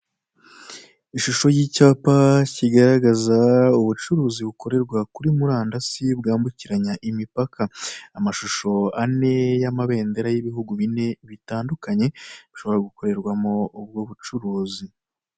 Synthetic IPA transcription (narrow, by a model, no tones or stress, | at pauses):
iʃuʃo̞jiːcaːpaciɡaɾaɡazauβut͡ʃuɾuːziβukʰo̞ɾe̞ɾɡwakuɾimuɾaːndasibɡaːmbuciɾaɲaʔimipakʰaamaʃuʃo̞ane̞jamaβe̞ːnde̞ɾajiβiɦuɡuβine̞βitaːndukaɲe̞βiʃo̞βo̞ɾaɡuko̞ɾe̞ɾɡwamo̞ubɡoβut͡ʃuɾuːzi